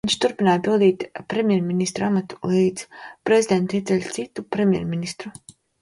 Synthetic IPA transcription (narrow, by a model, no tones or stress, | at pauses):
iɲʲʃt̪uɾpinaːjpilˠd̪iːt̪pɾemʲjɛɾminist̪ɾuamat̪u̥lˠiːd̪zpɾezʲid̪ent̪iɛt̪sɛlʲt̪sit̪ːupɾemʲjɛ̰ɾminist̪ɾu